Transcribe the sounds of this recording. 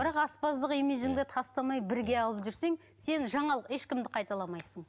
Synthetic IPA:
b̥ɪɾɑqɑspɑzd̪əqimeʒɪŋd̪ɪt̪ʰɑst̪ɑmɑjbɪɾɡʲe̞ɑlˠəpʒʏɾse̞ŋ | se̞nʒɑɴɑlˠəqeʃkʲɪmd̪ɪqʰɑjt̪ɑlˠɑmɑjsəɴ

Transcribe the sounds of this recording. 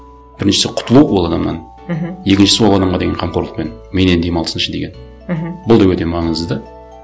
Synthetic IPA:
b̥ɪɾɪnʃɪ̥sɪqʰʊ̥t̪əlˠuwwo̞lˠɑd̪ɑmnɑ̰n | je̞kʲɪnʃɪsɪwo̞lˠɑd̪ɑmʁɑd̪e̞ɡʲeqʰɑmqʰo̞ɾlˠəq̚pe̞n | menend̪emɑlˠəsənɪʃnd̪e̞ɡʲen | bʊlˠd̪ɑwɵt̪e̞mɑɴəzd̪əd̪ə

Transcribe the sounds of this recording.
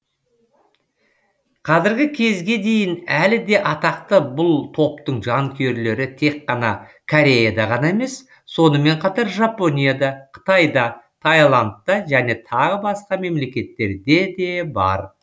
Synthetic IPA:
qʰɑzɪɾɡʲɪkʲʰe̞zɡʲe̞d̪e̞jɪnælɪd̪e̞ʔɑt̪ɑqt̪əbʊlˠt̪ʰo̞pt̪əɴʒɑŋkʲʰeɾle̞ɾɪt̪ʰe̞kːɑnɑkʰoɾe̞jad̪ɑʁɑnɑeme̞sː | o̞nəme̞ɴqʰɑt̪ɑɾʒapo̞nʲijad̪ɑqʰə̥t̪ɑjd̪ɑt̪ʰɑjlˠant̪ːɑʒæne̞t̪ʰɑʁəbɑsqɑme̞mle̞kʲe̞t̪ːe̞ɾd̪e̞d̪e̞bɑ̰ɾ

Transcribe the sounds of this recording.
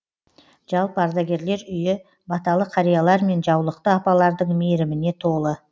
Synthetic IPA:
ʒ̥ɑlˠpəɑɾd̪ɑɡʲe̞ɾle̞ɾʏjɪ | bɑt̪ɑlˠəqʰɑɾijɑlˠɑɾme̞nʒɑwlˠəq̚t̪əɑpɑlˠɑɾd̪əɴmeɾɪmɪne̞t̪ʰo̞lˠə

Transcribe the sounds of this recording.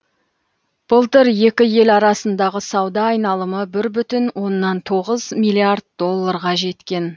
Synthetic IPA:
b̥əlˠt̪əɾje̞kʲɪje̞lɑɾɑsənd̪ɑʁəsɑwd̪ɑːjnɑlˠəməbɪɾbʏt̪ɪnwo̞nːɑnt̪ʰo̞ʁəzmijlʲiard̪̚d̪o̞lˠːɑɾʁɑʒe̞t̪kʲe̞n

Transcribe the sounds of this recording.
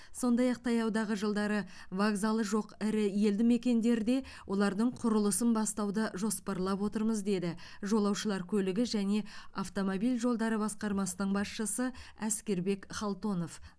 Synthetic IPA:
so̞nd̪ɑjɑq̚t̪ʰɑjɑwd̪ɑʁəʒəlˠd̪ɑɾə | vaɡzɑlˠəʒo̞qɪɾɪje̞ld̪ɪme̞kʲe̞nd̪e̞ɾɪd̪e̞ | wʔo̞lˠɑɾd̪əɴqʰʊɾəlˠəsənbɑst̪ɑwd̪əʒo̞spɑɾlˠɑpwo̞t̪əɾməzd̪e̞d̪ɪʒo̞lˠɑwʃəlˠɑɾkʲʰɵlɪɡʲɪʒæne̞aft̪o̞mobijlʲʒo̞lˠd̪ɑɾəbɑsqɑɾmɑsənəɴbɑsʃəsəæskʲe̞ɾbe̞kχɑlˠt̪o̞no̞f

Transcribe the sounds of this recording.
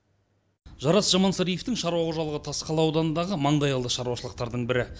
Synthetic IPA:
ʒɑɾɑsʒɑmɑnsɑɾijeft̪ɪŋʃɑɾuwɑquʒɑlˠəʁət̪ʰɑsqɑlˠɑwd̪ɑnənd̪ɑʁəmɑɴd̪ɑjɑlˠd̪əʃɑɾuwɑʃəlˠəq̚t̪ɑɾd̪əɴbɪɾɪ

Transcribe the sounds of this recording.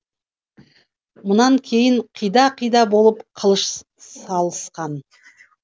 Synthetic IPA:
mʊnɑŋkʲʰe̞jɪɴqʰijd̪ɑqʰijd̪ɑbo̞lˠəpqʰəlˠəʃ | sɑlˠəsqɑn

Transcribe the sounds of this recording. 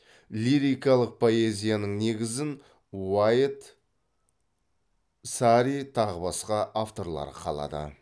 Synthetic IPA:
lʲiɾijkɑlˠəq̚pʰo̞ezʲijanəɴne̞ɡʲɪzɪn | wajt̪ | saɾit̪ʰɑʁəbɑsqɑʔaft̪o̞ɾlˠɑ̰ɾəqʰɑlˠɑ̰d̪ə̰

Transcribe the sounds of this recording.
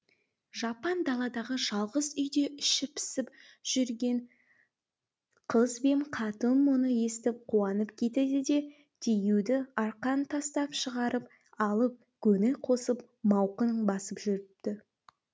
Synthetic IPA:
ʒɑpɑnd̪ɑlˠɑd̪ɑʁəʒɑlˠʁəzʏjd̪e̞ʔʏʃɪpʰɪ̥sɪp | ʒ̥ʏɾɡʲe̞ɴ | qʰəzbe̞ɴqʰɑt̪ənmonəje̞st̪ɪp̚qʰuɑnəpkʲʰe̞t̪ed̪ɪd̪e̞ | d̪̥ʰejud̪ɪɑɾqɑnt̪ʰɑst̪ɑpʃəʁɑɾəp̚ | ɑlˠəp̚ | kʲʰɵnɪqʰo̞səp | mɑwqənbɑsəpʒʏɾɪpt̪ɪ

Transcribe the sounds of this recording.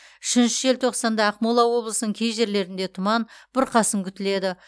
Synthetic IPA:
ʏʃɪnʃɪe̞lt̪ʰo̞qsɑnd̪ɑːqmolˠɑwo̞blˠəsənəɴkʲʰejʒe̞ɾle̞ɾɪnd̪e̞t̪ʰʊmɑnb̥ɪɾqʰɑsəmkʲʰʏt̪ɪle̞d̪ɪ

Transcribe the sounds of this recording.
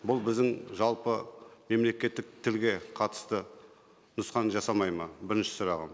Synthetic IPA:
bʊlˠbɪzd̪ɪŋʒɑlˠpəme̞mle̞kʲe̞t̪ːɪk̚t̪ʰɪlɡʲe̞qʰɑt̪ə̥st̪ə | nʊsqɑnʒɑsɑmɑjmɑbɪɾɪnʃɪ̥sʊɾɑʁə̰m

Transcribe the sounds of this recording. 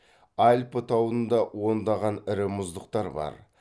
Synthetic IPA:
ɑlʲpət̪ʰɑwənd̪ɑwo̞nd̪ɑʁɑnɪɾɪmʊzd̪əqt̪ɑɾbɑ̰ɾ

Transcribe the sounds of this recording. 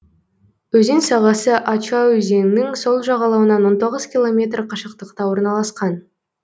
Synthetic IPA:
wɵze̞nsɑʁɑsəʔɑt͡ʃɑwɵze̞ŋɪnɪŋso̞lˠʒɑʁɑlˠɑwənɑnwo̞nt̪o̞ʁəz̥kʲilˠo̞mʲe̞t̪rqʰɑʃəq̚t̪əqt̪ɑwo̞ɾnɑlˠɑsqɑn

